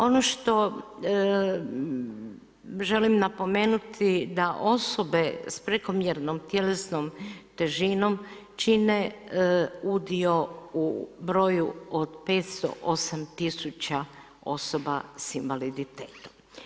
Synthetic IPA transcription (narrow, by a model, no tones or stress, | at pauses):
o̞noʃt̪o̞ | ʒe̞limnapo̞me̞ːnut̪ʰid̪aʔo̞sobe̞spɾeko̞mjeɾnomt̪je̞le̞snomt̪e̞ʒinom | t͡ʃine | ud̪io̞ubɾo̞juod̪pe̞ːt̪st̪o̞̰ʔosamt̪isut͡ɕa | o̞̰sobasinʋalid̪it̪eːt̪o̥m